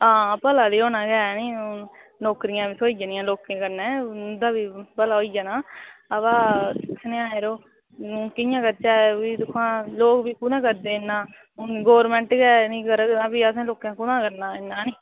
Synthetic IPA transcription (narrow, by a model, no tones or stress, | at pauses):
ãːpəlaːd̪iːoːnãːɡɛːnĩːnoːkɾɪjãːbiːsʰoːiːd͡ʒanɪjãːloːkːẽːkəɾnɛ̃ːd̪aːbiːpəlaːoːiːd͡ʒaːnaːəʋaːsnẽːãːeːɾoː | kɪjãːkəɾt͡ʃaːiːt̪ʊkʰːãːloːkbiːkunãːkəɾd̪eːnːãː | ɡoːʋəɾmɛ̃ːɳʈɡɛːnĩːkəɾəknãːbiːəsãːloːkãːkʊnãːkəɾnaːɪnːaːniː